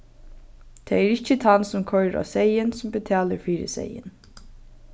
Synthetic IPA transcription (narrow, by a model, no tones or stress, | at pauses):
t̪ʰɛːɛɹɪçt͡ʃːət̪ʰansʊmkʰœɹɾa̰ːsejɪnsʊmbət̪ʰæːləɹfiːɾɪ̰sḛjɪ̰n